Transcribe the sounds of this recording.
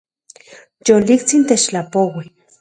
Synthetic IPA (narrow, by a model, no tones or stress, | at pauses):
jolikt͡sint̪et͡ʃlapowi